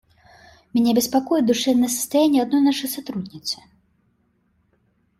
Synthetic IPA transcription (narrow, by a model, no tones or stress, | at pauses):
mʲɛnʲɛbʲɛspakɔjɛd̪uʂɛnɨɛsɐ̥st̪ajanʲːɛad̪nɔjnaʂɨjsat̪ɾud̪ʲnʲit̪sɨ̥